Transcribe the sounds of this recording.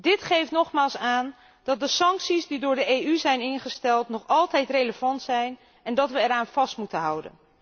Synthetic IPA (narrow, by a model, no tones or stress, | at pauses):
dɪtχejftnɔχmaːlˠsaːn | d̥ɑt̚dəsɑŋksisdidʊːɹdəejyzɛjnɪnχəstɛlˠtnɔχɑlˠtɛjtrejləvɑntsɛjn | ɛndɑtʋəɛɾaːnv̥ɑstmutənɦʌ̰wdə̰n